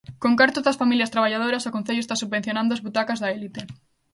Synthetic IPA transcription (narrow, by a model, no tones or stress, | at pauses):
kõŋkaɾt̪ozðɐsfamiljɐst̪ɾaβaʎað̞oɾɐsokõn̟θeʎoest̪asuββen̟θjonãnd̪oʊazβut̪akazðɐelit̪e